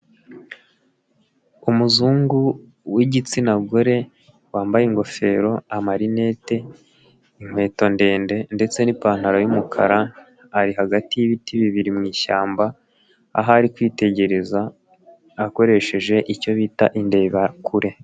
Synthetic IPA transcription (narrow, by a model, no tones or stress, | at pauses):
umuzuːŋɡu | wiɟit͡sinaɡo̞ɾe̞ | waːmbajeŋɡo̞fe̞ɾo̞amaɾine̞ːte̞ | im̥we̞ːto̞nde̞ːnde̞nde̞t͡se̞nipaːn̥haɾajumukʰa̰ɾaː | ɾiɦaɡatijiβitʰiβiβiɾimŋiːʃa̰ːmba | a̰ɦaɾikwiːte̞ɟe̞ɾe̞zaː | ko̞ɾe̞ʃe̞ʒe̞ʔico̞βiːtaʔinde̞ːβakʰuɾe̞